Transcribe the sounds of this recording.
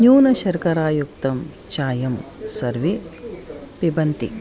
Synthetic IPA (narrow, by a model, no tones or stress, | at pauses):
ɲuːnɐʃɐɾkɐɾaːjuk̚t̪ɐm | t͡ʃaːjɐmsɐɾʋi | pibɐnt̪ḭ